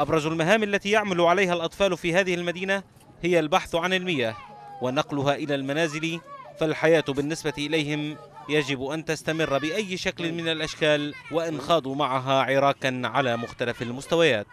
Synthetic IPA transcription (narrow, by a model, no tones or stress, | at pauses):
ʔɑbɾˤɑzʊlmaɦaːmʔalːat̪iːjaʕmalʊʕalajhalʔɑt̪ˤfɑːlfiːhaːðɪhlmad̪iːna | hɪjalbaħθʕanɪlmɪjːawanɑqlʊɦaːʔɪlaːlmanaːzɪlifalħajaːt̪bɪnːɪsbat̪iʔɪlajhɪm | jad͡ʒɪbʔant̪ast̪amɪrˤːbɪʔajːʃaklɪnmɪnalʔaʃkaːlwaʔɪnxɑːd̪ˤuːmaʕaɦaːʕɪɾˤɑːqɑnʕalaːmʊxt̪alafalmʊst̪awajaːt̪